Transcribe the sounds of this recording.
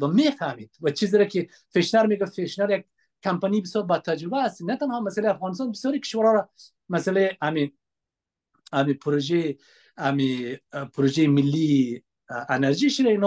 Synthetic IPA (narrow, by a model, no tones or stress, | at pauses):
wɐmefamid̪wat͡ʃiziɾaki | feʃnaɾmeɡafeʃnaɾjaɡ̚ | kampanibɪsjɔːɾbad̪̚t̪ʰːad͡ʒɾɪbaːst̪inat̪anhɔmasaleafɣɑnɪst̪ɑnbɪsjɔɾikɪ̥ʃwaɾɔɾa | masaleami | amipʰʊɾoʒe | amipʰʊɾoʒemɪlːi | enaɾʒiʃid̪ainɔ